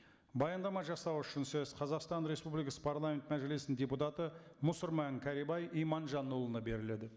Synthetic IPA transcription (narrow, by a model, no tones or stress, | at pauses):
bɑjɑnd̪ɑmɑʒɑsɑwʏʃɪnsɵz̥qʰɑzɑqst̪ɑnɾe̞spublijkɑsə̥pʰɑɾlˠamʲe̞nt̪mæʒelesɪndʲe̞put̪ɑt̪əmʊsʊɾmɑŋkʲʰæɾibɑjijmɑnʒɑnːulˠənɑbe̞ɾɪle̞d̪ɪ